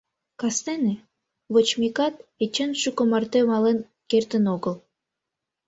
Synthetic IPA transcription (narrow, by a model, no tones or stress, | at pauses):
kɑst̪ene | βot͡ɕmikɑt̪̚et͡ɕenʃukomɑrt̪emɑlen | kert̪ə̆noɣəl